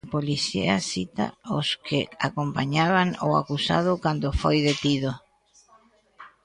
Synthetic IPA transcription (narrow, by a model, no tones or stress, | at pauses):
poliθḭasit̪a̰oskɪakompaɲaβaŋo̰a̰kusa̰ðʊkand̪ofojðet̪iðo